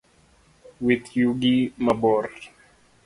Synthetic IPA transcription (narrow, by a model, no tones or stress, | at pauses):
wit̪juɡimabɔr